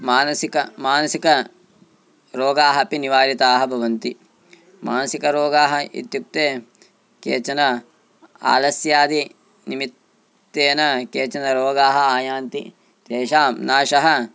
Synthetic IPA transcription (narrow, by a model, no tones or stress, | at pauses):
maːnɐsikɐmaːnɐsikɐ | ɾoːɡaːɦɐpiniʋaːɾit̪aːɦɐbʱɐʋɐnt̪i | maːnɐsikɐɾoːɡaːɦɐḭt̪juk̚t̪eː | kḛːt͡ʃɐnɐ | a̰ːlɐsjaːd̪i | nimit̪ː | eːnɐkeːt͡ʃɐnɐɾoːɡaːɦɐaːjaːnt̪i | t̪eːʃaːmnaːʃɐɦɐ